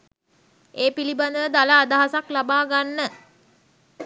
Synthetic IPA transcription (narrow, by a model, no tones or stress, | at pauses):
eːpiliband̪əʋəd̪alaːd̪aɦasaklabaːɡanːə